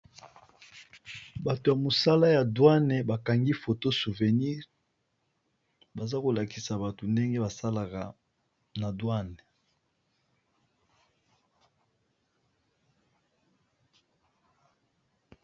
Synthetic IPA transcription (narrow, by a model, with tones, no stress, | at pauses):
ba˨to˨ja˨mo˨sa˦la˦ja˨dwa˦nɛ˨ba˨ka˨ŋɡi˦fo˨to˦su˨ve˨ni˦ʁ | ba˨za˦ko˨la˨ki˨sa˨ba˨to˨nde˦ŋɡe˦ba˨sa˦la˨ka̰˨ | na˨dwa˦nɛ˨